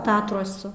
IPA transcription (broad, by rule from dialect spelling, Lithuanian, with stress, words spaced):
ˈtɑːtruɔsʊ